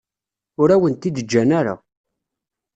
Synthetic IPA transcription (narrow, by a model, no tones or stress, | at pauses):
ʊɾæwənt̪id̪əd͡ʒːænaɾa̰